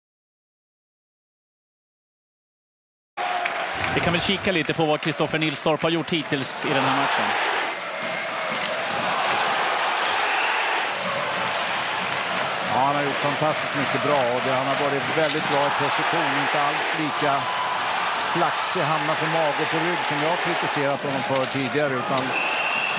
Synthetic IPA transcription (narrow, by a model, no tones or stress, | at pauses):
d̪ɛkʰanvɛlɕiːkaliːt̪əpʰɔvakʰɾɪst̪ɔfəɳɪlst̪ɔɾphaɾjʊʈʰːhiːt̪ʰɪlsɪd̪ɛnɦæːɾmat̪ʂən | ɑ̰ːhanhaɾjʊʈːfant̪ʰast̪ɪ̥st̪mʏkːəbɾɑːɔd̪ɛhanhaɾvɑːɾɪt̪vɛld̪ɪt̪̚bɾɑːɛt̪̚pʰɔsɪɧuːnɔɪnt̪əalsliːka | flaksɪɦamnat̪pʰɔmɑːɡəɾpʰɔɾʏɡːsɔmjɑːhaɾkʰɾɪt̪ɪseːɾat̪hɔnɔmfœːʈʰiːd̪ɪɡaɾəʉ̟ːt̪an